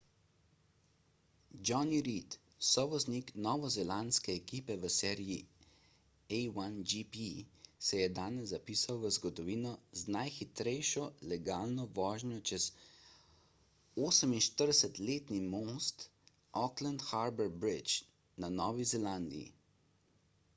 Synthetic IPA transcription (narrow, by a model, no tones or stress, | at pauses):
d͡ʒɔniɾit̪ | sɔʋɔzniknɔːʋɔzɛlanskɛːkiːpɛʋəsɛːɾiji | ɛjwand͡ʒipisɛjɛd̪aːnɛzːapiːsawʋəzɡɔd̪ɔʋiːnɔznajxit̪ɾɛjʃɔlɛɡaːlnɔʋɔːʒnjɔt͡ʃɛz | oːsəminʃt̪əɾd̪ɛsɛt̪leːt̪nimoːst̪ | ʔɔkland̪xaɾbɛɾbɾit͡ʃ | nanɔːʋizɛland̪ḭḭ